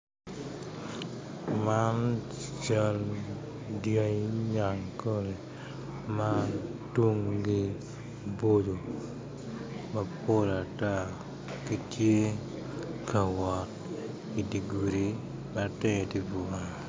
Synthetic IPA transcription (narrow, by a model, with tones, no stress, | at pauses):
ma˦n | t͡ʃa˦l | djɔ˦ɲa˨ŋko˦ɾe˨ | ma˦twu˦ŋɡi˦ | bo˦do˨ | ma˦po˦la˨ta˦ | ki˦tje˦ | ka˨wɔ˨t̚ | i˨di˨ɡu˨ɾi˨ | ma˦tɛ˦˨di˦bu˨a˨